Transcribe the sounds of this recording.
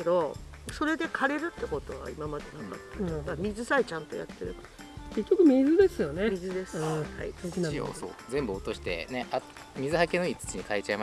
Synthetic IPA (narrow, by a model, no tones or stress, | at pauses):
ked̪o̞ | so̞ɾe̞d̪e̞kʰaɾe̞ɾɯ̟t̪ːe̞ko̞t̪o̞βa̰imamad̪e̞ɡ̪ãmba̰t̪ːemamʲizɨsait͡ɕãnt̪o̞̰ja̰t̪ːe̞ɾɯ̟ka | ke̞kʲːokɯ̟mizɨd̪e̞sɨjonemʲizɨd̪e̞sɨ̥ha̰ḭio̰so̰ːzẽ̞mbɯ̟ot̪o̞ɕi̥t̪e̞̰nea | mʲizɨhake̞noit͡sɨ̥t͡ɕiɲ̟ikaet͡ɕaema